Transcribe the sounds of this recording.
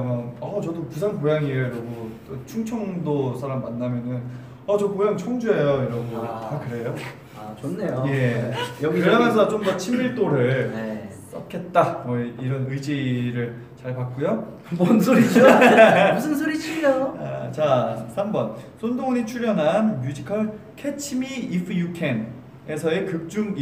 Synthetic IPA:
mʌʌt͡ɕʌdopusʰaŋkojaŋieɾoɡot͈ot͡ɕʰuŋt͡ɕʰʌŋdosʰaɾamːanːamjʌnɯn | ʌt͡ɕʌkojaŋt͡ɕʰʌŋd͡ʑue̞joiɾʌnɡotakɯɾe̞jo | at͡ɕonːejojejʌkɡiɯamʌnsʰʌt͡ɕomdʌt͡ɕʰimiɭt͈oɾɯɭe | s͈ʌkʰe̞t̚t͈amʌiɾʌnɯid͡ʑiɾɯɭ | t͡ɕaɭpak̚k͈ujo | monsʰoɾit͡ɕ | sʰonsʰoɾit͡ɕʰiot͡ɕasʰambʌnsʰondoŋnit͡ɕʰuɾjʌnɦanmjud͡ʑikʰʌɭkʰet͡ɕʰimiipʰjukʰen | esʰʌekɯk̚t͡ɕ͈uŋ

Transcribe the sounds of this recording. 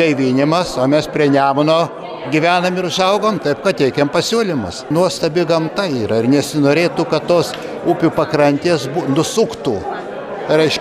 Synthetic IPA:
t̪ɐɪʋʲinʲɪmɐsoːmʲɛspʲɾʲiɛnʲæːmɐnoː | ɡʲiʋʲæːnɐmɪɾʊʃɐʊɡoːmt̪ɐɪp̚kɐt̪tʲɛɪkʲɛmpɐsʲuːlʲɪmɐ̰snuɔst̪ɐbʲɪɡɐmt̪ɐiːɾɐɪrnʲɛsʲɪnoːɾʲeːt̪uːkɐt̪toːs | upʲuːpɐkɾɐnʲt̪ʲeːsbunʊsuːkt̪uː | ɾɐɪʃ

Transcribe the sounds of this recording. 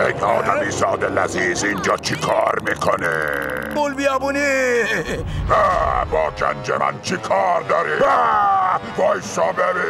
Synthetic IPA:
ejɒːd̪æmiːsɒːd̪elæziːzind͡ʒɒːt͡ʃʰikʰɒːɾmiːkʰoneolbijɑːbuni | æbɒːɡæ̰nd͡ʒḛmæ̰nt͡ʃʰikʰɒːɾd̪ɒːɾibæ | bɒːjsɒːbebi

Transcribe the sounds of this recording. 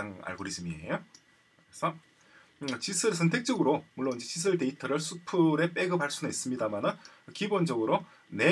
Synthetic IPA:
aŋa̰ɭɡoɾisɯmiḛjo | kɯɾesʰʌ | t͡ɕisʰɯɭsʰʌntʰe̞k̚t͡ɕ͈ʌɡɯɾomuɭːonind͡ʑe̞t͡ɕis̬ʰɯɭte̞itʰʌɾɯɭsʰupʰɯɾe̞p͈e̞ɡɯpaɭs͈ʰunɯis͈ɯmɲidamanɯn | kibond͡ʑʌɡɯɾo | ne̞

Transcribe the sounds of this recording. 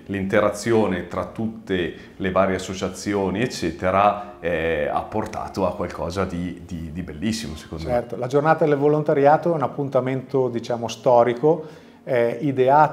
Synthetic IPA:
lint̪eɾat̪sːjoːnet̪ɾat̪ːut̪ːe | levaːɾjeasːot͡ʃat̪sːjoːniet͡ʃːɛːt̪eɾa | ɛa̰pːort̪a̰ːt̪oakwalkʰɔːzad̪id̪id̪ibelːisːimose̥konoɛrt̪olad͡ʒornaːt̪ad̪elvolont̪aɾjaːt̪oɛunapːunt̪ament̪od̪it͡ʃaːmost̪ɔːɾiko | ɛid̪eaː

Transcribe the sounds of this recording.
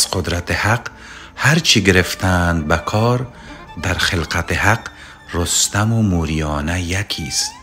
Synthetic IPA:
sqʊd̪ɾat̪ehaq | haɾt͡ʃʰiɡɪɾeft̪and̪̚bakʰɒːɾ | d̪aɾχɪlqat̪ehaq | ɾost̪amumuɾijɒːnajakʰist̪

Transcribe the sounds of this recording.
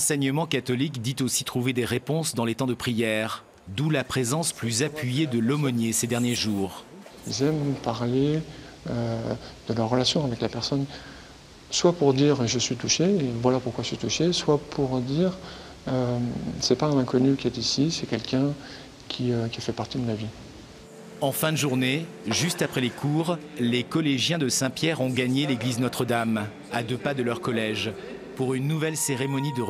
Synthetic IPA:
ɑ̃sɛɲəmɑ̃kat̪ɔlikd̪it̪osit̪χuved̪eʁepɔ̃sd̪ɑ̃let̪ɑ̃d̪əpχijɛːʁ | d̪ulapχezɑ̃splyzapɥijed̪əlɔmɔnjesed̪ɛʁnjeʒuːʁ | ilzɛmpaʁle | ød̪̥əlœʁːəlasjɔ̃avɛklapɛʁsɔn | swapuʁd̪iʁʒəsɥit̪uʃeːvwalapuʁkwaʒəsɥit̪uʃeswapʰuʁd̪iːʁ | ømsɛpaɛ̃nɛ̃kɔnykʲiɛt̪isisɛkʲɛlkʲɛ̃ | kʲʰiøkʲifɛpaʁt̪id̪əmavi | ɑ̃fɛ̃d̪əʒuʁne | ʒyst̪apχɛlekʰuʁlekɔleʒjɛ̃d̪əsɛ̃pjɛʁɔ̃ɡaɲeleɡliznɔt̪χəd̪am | ad̪øpad̪əlœʁkɔlɛʒ | puʁynːuvɛlseʁemɔnid̪ə

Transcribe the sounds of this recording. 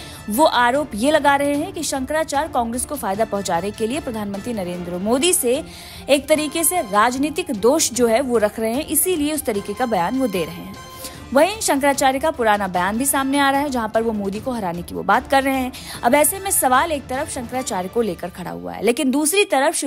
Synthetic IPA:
ʋoʔaːɾoːpjelɐɡaɾɐɦeɦɛ̃kiʃɐ̃ŋkɾaːt͡ʃaːɾkɔ̃ːŋɡɾeːskofaːjd̪apɐɦʊ̃t͡ʃaːnekeliepɾɐd̪ʱaːnmə̃nt̪ɾinɐɾẽːnd̪ɾəmoːd̪ise | eːk̚t̪ɐɾiːkeseɾaːd͡ʒniːt̪ɪkd̪oːʃd͡ʒoːɦɛʋoɾɐkʰɾɐɦeɦɛ̃ʔɪsilieʊst̪ɐɾiːkekabɐjaːnʋod̪eːɾɐɦḛ̃ɦɛ̃ | ʋɐɦĩʃɐ̃ŋk̬ɾaːt͡ʃaːɾjkapʊɾaːnabɐjaːnbʱisaːmneaːɾaɦɛd͡ʒɐɦãpɐɾʋomoːd̪ikoɦɐɾaːnekiʋo̰baːt̪kɐɾːɐɦẽɦɛ̃ | ɐbɛːsemẽsɐʋaːleːk̚t̪ɐɾəfʃɐ̃ŋkɾaːt͡ʃaːɾjkoleːkəɾkʰɐɽa̰ɦṵa̰ɦɛ̰leːkɪ̃nd̪uːsɾit̪ɐɾəfʃ

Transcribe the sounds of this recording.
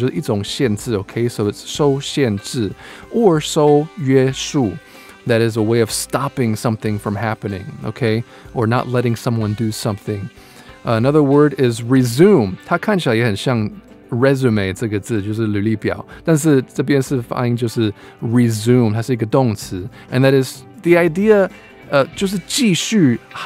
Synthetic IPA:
oʔitsõŋʃjɛ̃ntɨoʊkʰeɪsoʊɨtsːoʊʃɛ̃nt͡s̩ə˞soʊjɛʃu | ðɨɾɨzəweɪʌv̥stɑpɪ̃ŋsʌ̃mθɪ̃ŋfɹʌ̃mɦæpɨnɪ̰̃ŋo̰ʊkʰeɪ | ʔə˞nə̰tˡlɛɾɪ̃ŋsʌ̃mwʌ̃ndɨsʌ̃mθɪ̃ŋ | ənʌðə˞wɜ˞ɾɪzɹizũmhakʰãɪ̃nʃalˠjɛhɨ̃nʃɑ̃ŋ | ɹɛzʉmeɪtsɨɡɨt͡sɨd͡ʒosɨlʉlipja̰ʊd̥ʌ̃nsɨsɨbiɨ̃nsɨfa̰ɪɪ̃ŋd͡ʒosɨ | ɹizʉ̃mdhasɪɡɨdõŋsʰɨ | ʔɨ̃nðɨɾɨzðiaɪdiə | ʌd͡ʒʌs̬ɨt͡ʃiʃʉ

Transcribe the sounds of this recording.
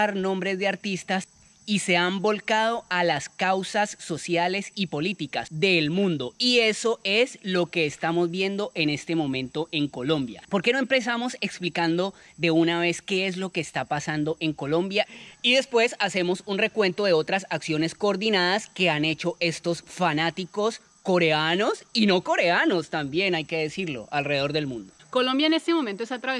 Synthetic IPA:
ɾnõ̞mbɾe̞zðe̞aɾt̪ist̪as | ise̞ambo̞lkað̞o̞ʔalaskawsasːo̞sjale̞sipo̞lit̪ikasd̪e̞ːlmũnd̪o̞ie̞so̞e̞slo̞ke̞ːst̪amo̞zbje̞nd̪o̞ʔe̞ne̞st̪e̞mõ̞mẽ̞nt̪o̞ʔe̞ŋko̞lõ̞mbja̰po̞ɾke̞no̞empɾes̬amo̞seksplikand̪o̞ | d̪e̞unaβ̞e̞ske̞es̬lo̞keːst̪apasand̪o̞ʔe̞ŋko̞lõ̞mbjaiðe̞spwe̞sase̞mo̞sunre̞kwe̞nt̪o̞ðe̞o̞t̪ɾasaksjo̞ne̞sko̞ːɾd̪inaðaske̞ane̞t͡ʃo̞ʔe̞st̪o̞sfanat̪iko̞s | ko̞ɾe̞ano̞sino̞ko̞ɾe̞ano̞st̪ambje̞najke̞ðe̞siɾlo̞̰ʔalreeðo̞ɾðe̞lmũnd̪okolõ̞mbjaene̞st̪emomẽnt̪oesat̪ɾaβe

